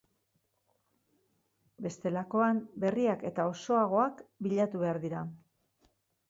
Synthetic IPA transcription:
be̞st̪e̞lako̞ambe̞riake̞t̪ao̞so̞aɣ̞o̞akbiʎat̪uβe̞aɾðiɾa

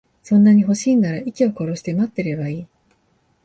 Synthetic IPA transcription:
sõ̞nːaɲ̟iɦo̞ɕiːnaɾaʔikʲio̞ko̞ɾo̞ɕi̥t̪e̞mat̪ːe̞ɾe̞baiː

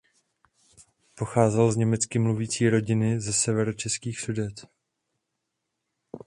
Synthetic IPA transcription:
po̞xaːzɛlzɲɛmɛt͡skɪmluviːt͡siːɾo̞ɟɪnɪzɛsɛvɛɾot͡ʃɛskiːxsudɛt̪

